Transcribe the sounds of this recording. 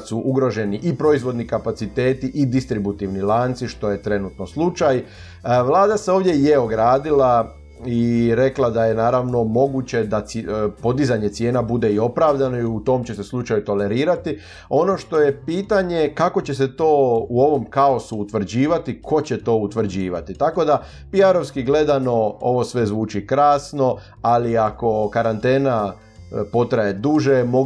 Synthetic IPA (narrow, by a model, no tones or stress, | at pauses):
suʔuɡɾo̞ʒe̞niʔipɾo̞izʋo̞d̪nikapat̪sit̪e̞ːt̪iʔid̪ist̪ɾibut̪iʋnilˠaːnt̪siʃt̪o̞je̞t̪ɾe̞nuːt̪no̞slˠut͡ʃaj | ʋlˠaːd̪aseo̞ːʋd̪je̞jeo̞ɡɾaːd̪ila | iɾe̞klˠad̪aje̞naːɾaʋno̞mo̞ɡut͡ɕe̞d̪apo̞d̪izaɲet̪sje̞ːnabud̪e̞io̞pɾaːʋd̪ano̞iut̪o̞mt͡ɕe̞seslˠut͡ʃajut̪o̞le̞ɾiːɾat̪i | o̞no̞ʃt̪o̞je̞piːt̪aɲe̞kako̞t͡ɕe̞set̪o̞ːuo̞ʋo̞mkao̞suːt̪ʋr̩d͡ʑiːʋat̪ikʰo̞t͡ɕe̞t̪o̞ːut̪ʋɾ̩d͡ʑiːʋa̰t̪it̪ako̞d̪a | piaɾo̞ʋskiɡle̞d̪ano̞o̞ʋo̞sʋe̞zʋuːt͡ʃikɾaːsno̞ | aliako̞kaɾant̪e̞ːna | po̞t̪ɾaje̞d̪uʒemo